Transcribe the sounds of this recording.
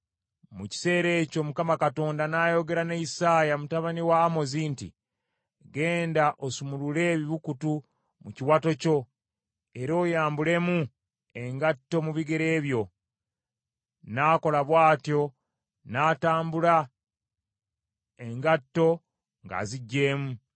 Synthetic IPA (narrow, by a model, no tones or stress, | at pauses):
muci̥se̞ːɾe̞ːco̞mukamakato̞ːndanaːjo̞ɡe̞ɾaneisaːjamutaβaniwaːmo̞ziːntḭ | ɡe̞ːndaʔosumulule̞βiβukutu | muciwato̞co̞ | e̞ɾo̞ːjaːmbule̞mu | e̞ŋɡatːo̞muβiɡe̞ɾe̞ːβjo̞ | nako̞laβwaːtjo̞ | naːtaːmbula | e̞ŋɡatːo̞ | ŋɡa̰ziɟːe̞ːmu